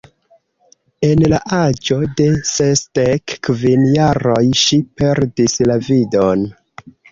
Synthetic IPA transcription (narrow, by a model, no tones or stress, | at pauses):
e̞nlaʔad͡ʒo̞de̞sesdekvinjaɾo̞jʃipe̞ɾdislavido̞n